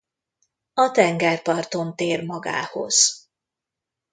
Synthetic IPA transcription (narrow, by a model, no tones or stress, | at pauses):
ɒt̪ɛŋɡɛrpɒrt̪o̞nt̪eːrmɒɡa̰ːho̞̰z̥